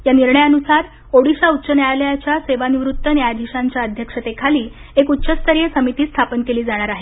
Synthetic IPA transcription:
janiɾɳəjaənusaɾ | oɽiɕautːɕənjaljat͡ɕjaseʋaniʋɾut̪ːənjad̪ʱiɕaɲt͡ɕjaəd̪ʱjəkʂət̪ekʰaliːekut̪ːɕəst̪əɾijesəmit̪iːst̪ʰapənkeliːd͡zaɽ̃aɾaɦe

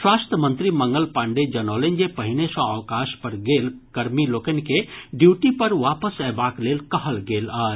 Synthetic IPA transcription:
swast̪ʰəmənt̪ɾiməŋɡəlpãɳɖed͡ʒənolend͡ʒepəɦinesə̃awkaʃpəɾɡelkəɾmilokənkeɖjuʈipəɾʋapəsɛbaklelkəɦəlɡelə

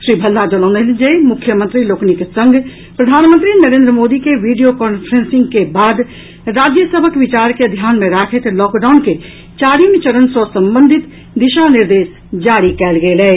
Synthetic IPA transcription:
ʃɾiːbʱɐlːad͡ʒəlɔːneld͡ʒemʊkʰjəmə̃nt̪ɾiloːknikesə̃ŋɡ | pɾɐd̪ʱaːnmə̃nt̪ɾinɐɾẽːnd̪ɾəmoːd̪ikeʋiːɖijokɔːnpʰəɾə̃nsɪ̃ŋɡkebaːd̪ | ɾaːd͡ʒjəsəbʱəkʋɪt͡ʃaːɾked̪ʱjaːnmẽɾaːkʰet̪lɔːkɖaːʊnke | t͡ʃaːɾimt͡ʃəɽənsɔsɐ̃mbə̃nd̪ʱɪt̪ | d̪ɪʃanɪɾd̪eːs | d͡ʒaːɽikɛːlɡeelɛː

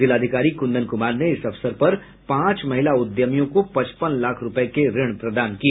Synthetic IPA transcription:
ɪlaːd̪ʱɪkaːɾikʊ̃nd̪ənkʊmaːɾneɪsɐʋsəɾpɐɾ | pãːt͡ʃmɐɦɪlaʊd̪jəmjõkopɐ̃t͡ʃpənlaːkʰɾʊpəekeɾɪɽ̃pɾɐd̪aːnkieː

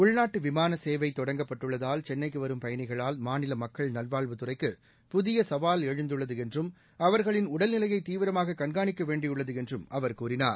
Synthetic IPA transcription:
ʊɭnaːʈːɯʋɪmaːnɐseːʋɐɪt̪ːɔɽɐŋɡɐpːɐʈːɯɭːɐðaːlt͡ʃɛnːɐɪkːɯʋɐɾɯmpɐjɐnɪɣɐɭaːlmaːnɪlɐmɐkːɐɭnɐlʋaːɭʋɯt̪ɯrɐɪkːɯ | pʊðɪjɐsɐʋaːlɛɻɯnd̪ɯɭːɐðɯɛndrɯm | ɐʋɐɾɣɐɭɪnʊɽɐlnɪlɐjɐɪt̪ːiːʋɪɾɐmaːɣɐkɐnɡaːɳɪkːɐʋeːɳɖɪjɯɭːɐðɯɛndrɯmɐʋɐɾkuːɾɪnaːɾ

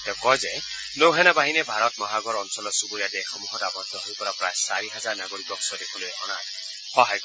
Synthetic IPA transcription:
tɛkɔjzɛ | lowɦɛnabaɦinɛbʱaɾɔtmɔɦaɡɔɹɔnsɔlɔsuboijadexɔmuɦɔdabɔt̪ːɔɦojpɔɾapɹajsaɹiɦazaɹnaɡoibɔksɔdekʰulojɔ̰na̰t | xɔɦajk

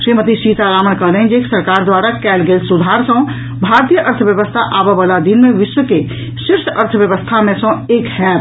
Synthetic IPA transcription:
ʃɾiːmət̪iʃiːt̪aɾaːmənkəɦləɦd͡ʒeksəɾkaːɾd̪waːɾakɛːlɡeːlsʊd̪ʱaːɾsə̃ | bʱaːɾt̪ijəʔəɾt̪ʰəʋjəʋəst̪ʰaʔaːbeʋəlad̪inmẽʋɪʃwəke | ʃɪɾsəɾt̪ʰəʋjəʋəst̪ʰamẽsə̃eːkhɛː

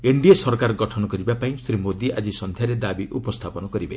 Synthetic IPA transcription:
eɳɖiesɔɾkaɾɡɔʈʰɔnɔkɔɾibapaĩsɾimod̪iʔa̰d͡ʒisɔnd̪ʱjaɾed̪abiʔupɔst̪ʰapɔnɔkɔɾibe

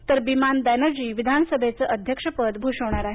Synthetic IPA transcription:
t̪əɾbimanb̪ɛnəɾd͡ʑiːʋid̪ʱanəsəbʱet͡səʔəd̪ʱjəkʂəpəd̪bʱuʂoɳ̃aɾaɦe

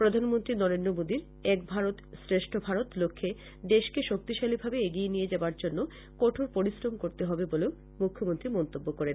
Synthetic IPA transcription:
pɾod̪ʱanmont̪ɾinɔɾend̪ɾomod̪iɾ | ɛk̚bʱaɾot̪sɾeʃʈʰobʱaɾot̪lokʰːe | d̪eʃkeʃok̚t̪iʃalibʱabeeɡienijed͡ʑaoaɾd͡ʑonːo | koʈʰoɾpoɾisɾomkoɾt̪eɦɔbeboleo | mukʰːomont̪ɾimɔnt̪obːokoɾen

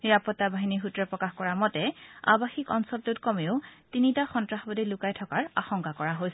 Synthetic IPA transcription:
niɹapɔtːabaɦiniɦutɹɔpɹɔkaxkɔɹamɔtɛa̰baxikɔ̰nsɔltutkɔmeʊtinitaxɔntɹaxbɔdilʊkajtʰɔkaɹa̰xɔŋkakɔɹaɦojs

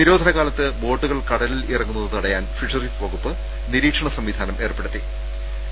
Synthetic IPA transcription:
niɾo̞ːd̪ʱɐnɐɣaːlɐt̪ːɨbo̞ːɖːuɣɐɭkɐɽɐlilirɐŋːunːɐðɨt̪ɐɽɐjaːnfiʂɐriːspoːɣupːɨ | niɾiːkʂɐɳɐsɐmʋid̪ʱaːnɐmʔe̞ːrpe̞ɽut̪ːi

